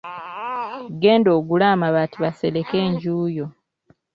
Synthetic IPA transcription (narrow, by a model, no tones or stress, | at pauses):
ɡe̞ːndo̞ːɡulaːmaβatiβase̞le̞ke̞ːɲɟuːjo̞